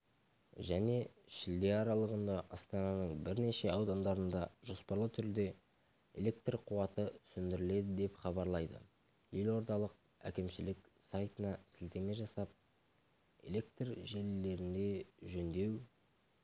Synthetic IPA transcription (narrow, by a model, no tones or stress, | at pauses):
ʒæne̞ʃɪld̪e̞ɑɾɑlˠəʁənd̪ɑʔɑst̪ɑnɑnəɴbɪɾne̞ʃe̞ɑwd̪ɑnd̪ɑɾənd̪ɑʒo̞spɑɾlˠət̪ʰʏɾd̪e̞ | ḛlʲe̞kt̪rqʰuɑt̪əsʏnd̪ɪɾɪle̞d̪ɪd̪e̞pχɑbɑɾlˠɑjd̪ə̰ | je̞lo̞ɾd̪ɑlˠəq̚ | æ̰kʲɪmʃɪlɪksɑjt̪ənɑsɪlt̪e̞me̞ʒɑsɑp̚ | e̞̰lʲe̞kt̪rʒelːe̞ɾɪnd̪e̞ʒɵnd̪e̞w